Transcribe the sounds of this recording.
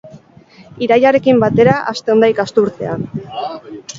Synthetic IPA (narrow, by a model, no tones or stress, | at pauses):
iɾajaɾe̞kimbat̪e̞ɾaʔa̰st̪e̞nd̪ajkast̪uɾt̪e̞an